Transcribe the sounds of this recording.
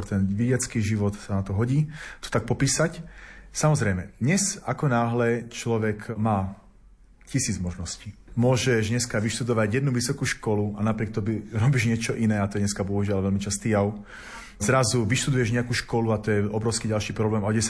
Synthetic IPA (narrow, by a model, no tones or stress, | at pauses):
ɔɾt̪ɛnʋiɟɪat͡skiːʒiʋɔt̪sanat̪ɔɦɔɟiːt̪ɔ̥t̪ak̚pɔpiːsacsamɔzɾɛjmɛd̪ɲɛzakɔnaːɦlɛt͡ʃlɔʋɛkmaː | cisiːd͡zmɔʒnɔsciːmʊɔʒɛʒɲɛskaʋiʃt̪ud̪ɔʋaɟjɛd̪nuʋisɔkuːʃkɔluanapɾɪɛk̚t̪ɔbiɾɔbiʒɲɪɛt͡ʃɔʔinɛːat̪ɔjɛɲɛskabɔɦuʒɪalʋɛlmit͡ʃast̪ijaʊ | zɾazuʋiʃt̪ud̪ujɛʒɲɛakuːʃkɔluat̪ɔjɛʔɔbɾɔʊskiɟalʃiːpɾɔblɛːmaɔɟɛs